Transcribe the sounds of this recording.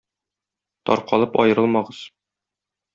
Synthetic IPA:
t̪ɒ̰ɾqɒlˠɤpɒ̰jɤ̆ɾɤlˠmɑʁɤz̥

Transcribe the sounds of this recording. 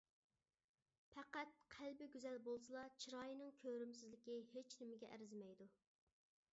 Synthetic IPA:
pʰæqæt̪̚qʰælbɪɡʲyzɛlbolˠsɨlˠɑt͡ʃʰiɾɑːjinɨŋkʲʰøɾyms̬ɪzlɪkʲihet͡ʃnɪmɪɡʲɛʔæ̰ɾzɪmɛjd̪u

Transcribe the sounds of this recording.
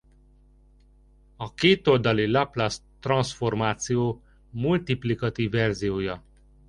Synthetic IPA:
ɒkeːt̪old̪ɒlilaplast̪rɒnsfo̞rmaːt̪sijoː | mult̪iplikɒt̪ivːɛrzijoːjɒ

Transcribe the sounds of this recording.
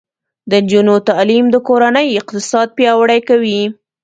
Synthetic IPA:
d̪ənd͡ʒunot̪ɑlimd̪əkoɾanəjɪq̚t̪ɪsɑd̪̚pjɑwəɽajkawi

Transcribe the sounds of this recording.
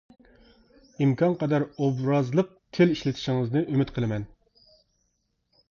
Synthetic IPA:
imkʰɑnqɑd̪æɾobɾɑzlˠəq̚tʲʰeliʃlɪt̪ʰɪ̥ʃiŋɨznɨʔymɪt̪qʰəlˠɨmɛn

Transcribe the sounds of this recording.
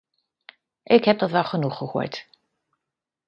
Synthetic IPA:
ʔɪkhɛp̚dɔtʋɛlˠχənuχəhṵt

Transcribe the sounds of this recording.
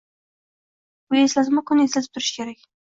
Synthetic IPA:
bʊjeslazɪmʊkʰʊneslazɪp̚t̪ʰʊɾɪʃkʲʰe̞ɾakʲ

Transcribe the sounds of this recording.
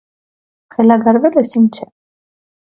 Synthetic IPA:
χɛlaɡaɾvɛlɛsint͡ʃʰɛ

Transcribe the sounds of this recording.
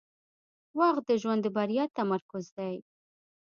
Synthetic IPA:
wɑɣd̪əʒwand̪əbaɾjɑt̪amaɾkʊzd̪aj

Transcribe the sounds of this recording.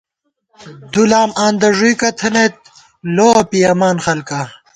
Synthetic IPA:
d̪ulaːmaːnd̪ɐʐukɐt̪ʰɐnet̪̚ | loːpijɐmaːnxɐlka

